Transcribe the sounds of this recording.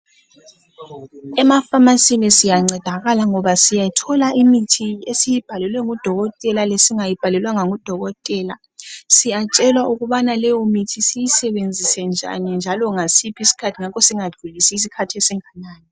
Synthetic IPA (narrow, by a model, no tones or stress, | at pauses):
ɛmafamasinisijaŋ͡ǀɛd̥ʱaɣalaŋɔβasijatʰɔlaimitʰiesijib̥ʱalɛlwɛŋud̥ʱɔɣɔtʼɛlalesiŋajib̥ʱalɛlwaŋaŋud̥ʱɔɣɔtʼɛːla | sijat͡ʃʼɛlwaʔuɣuβanalɛjɔmitʰisijisɛβend͡zʱisɛnd͡ʒʱa̰nind͡ʒʱalɔŋasipʰisi̥kʰatʰiŋakɔsiŋḁʒ̥ʱulisiːs̬ikʰatʰiɛsiŋanaːni